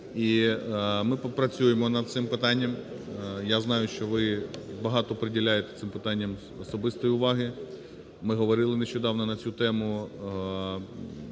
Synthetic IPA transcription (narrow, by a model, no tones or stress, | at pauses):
i | mɪpɾɐt͡sʲujemɔnɐd̪̚t̪sɪmpɪt̪ɑnʲːɐm | jaznɑjʊʃt͡ʃɔʋɪbɐɦɑt̪ɔːpɾedʲilʲajet̪e̥t̪sɪmpɪt̪ɑnʲːɐm | ɔsɔbɪst̪ɔjiʊʋɑɦɪ | mɪɦɔʋɔɾɪlˠɪneʃt͡ʃɔd̪ɑwnɔnɐt͡sʲut̪ɛmʊ